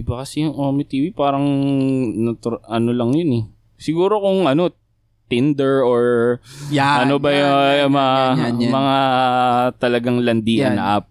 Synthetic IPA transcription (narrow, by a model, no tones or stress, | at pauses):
ʔɪbakɐsɛjʊŋʔomɪt̪iːwipaːɾɐŋ | nɐt̪ɾʔɐnolɐŋjʊnɛ | sɪɡuːɾo̞kʊŋʔɐno̞ | t̪ɪnd̪ɛɹoɹ | ɐnobɐjmɐmɐŋa | t̪ɐlɐɡaŋlɐnd̪iːɐnɐ̰ʔa̰p̚